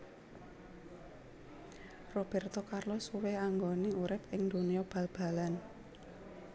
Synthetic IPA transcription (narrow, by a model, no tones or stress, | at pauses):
rob̥ɛ̤rt̪ɔkarlɔsuweaŋɡoneuɾɪp̚ɪŋd̪̥o̤nijɔb̥ä̤lb̥a̤lan